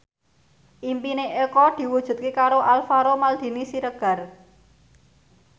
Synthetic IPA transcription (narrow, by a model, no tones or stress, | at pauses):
ʔimpineʔekɔd̪̥i̤wud̥ʒ̥ṳt̪̚kekaɾoʔalfaɾomald̪̥i̤nisiɾəɡ̥ä̤r